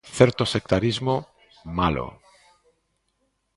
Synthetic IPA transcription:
θeɾt̪osek̚t̪aɾizmo | malo̰

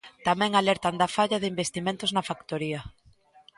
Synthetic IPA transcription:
t̪amɛ̃ŋalɛɾt̪and̪afaʎɐðɪimbest̪imẽnt̪oznɐfakt̪oɾiɐ

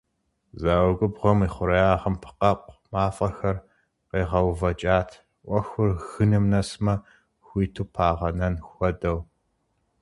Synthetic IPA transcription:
zaːwɐɡʷʊbʁʷɔmiːχʷʊɾɐjaːʁɐmpʰɨ̥qɐpʷʼmaːfʼɐxɐr | qeːʁɐwvɐt͡ʃʼaːtʰ | ʔʷɔxʷʊrɣɨnɨmnɐsmɐ | xʷiːtʰuːpʰaːʁɐnɐnxʷɔdɐw

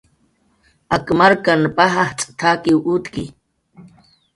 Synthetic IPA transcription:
akmaɾkanpaɦaht͡sʼt̪ʰakiwut̪kḭ

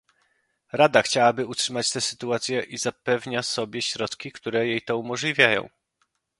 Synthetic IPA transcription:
ɾad̪axt͡ɕawabɘutʂɘmat͡ɕt̪ɛsɘ̥t̪uat̪sʲjɛʔizapɛvɲasɔbʲjɛɕɾɔt̪kʲikt̪uɾɛjejt̪ɔumɔʐlʲivʲjajɔ̰̃w̃

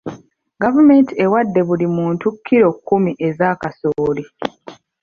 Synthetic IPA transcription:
ɡavume̞ntie̞wadːe̞βulimuːntukʰːiɾo̞kːumiʔe̞zaːkasoːli

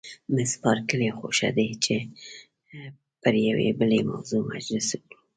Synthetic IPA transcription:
mɪspɑɾkəlexoʃa̰d̪et͡ʃe | pəɾjawḛbəlema̰wzoma̰d͡ʒləsoki̥

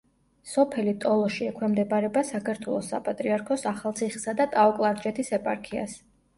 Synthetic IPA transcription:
sɔpʰɛlit̪ʼɔlˠɔʃiɛkʰwɛmd̪ɛbaɾɛbasakʰaɾt̪ʰwɛlˠɔsːa̰pʼat̪ʼɾiaɾkʰɔsaχalˠt̪sʰiχsad̪at̪ʼaɔkʼlˠaɾd͡ʒʼɛt̪ʰisɛpʼa̰ɾkʰia̰s

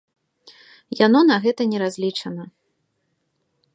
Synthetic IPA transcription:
janɔnɐɣɛt̪ɐnʲɛɾazʲlʲit͡ʂɐnɐ

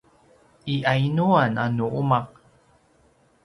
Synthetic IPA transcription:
iʔajnuananuʔumaq̚

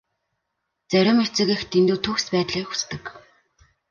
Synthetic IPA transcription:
t͡sæɾʲɪ̆met͡sɘ̆ɣĕxt̪ʰend̪uːt̪ʰukspæːt̪ɮiːxu̥st̪ɘ̆k

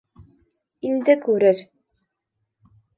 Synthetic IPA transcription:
ind̪ɘkʉɾɘɾ

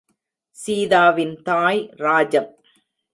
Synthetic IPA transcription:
siːðaːʋɪnt̪aːjɾaːd͡ʒɐm

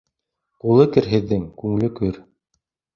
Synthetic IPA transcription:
qulˠɤkɘ̆ɾɦɘ̆ðːɘŋkʉŋlɘkɵɾ

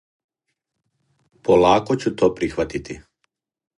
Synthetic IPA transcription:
polˠaːkot͡ɕut̪oːpɾixʋat̪it̪i

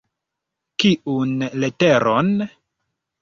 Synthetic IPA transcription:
kiunleteɾʔon

